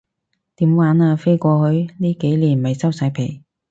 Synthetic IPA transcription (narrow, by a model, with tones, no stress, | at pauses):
t̪iː˨˥mwaː˨˧˥naː˧fe˥jkʷɔː˧hɵ˨˧˥ɥniː˥ke˨˥jliː˨˩nmɐ˨jsɐ˥wsɐ˨˥jpʰe˨˩j